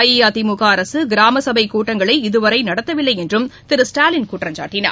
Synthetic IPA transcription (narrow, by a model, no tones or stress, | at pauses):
jijaːðɪmʊɣaːɐɾɐsɯɡɪɾaːmɐsɐbɐɪkːuːʈːɐŋɡɐɭɐɪɪðɯʋɐɾɐɪnɐɽɐt̪ːɐʋɪlːɐɪɛndrɯmt̪ɪɾɯsʈaːlɪnkuːʈrɐmd͡ʒa̰ːʈːɪnɐ̰